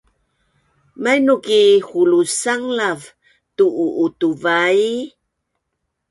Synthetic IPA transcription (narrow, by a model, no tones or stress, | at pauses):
majnukihulusaŋlav | tuʔːʔːtuvaj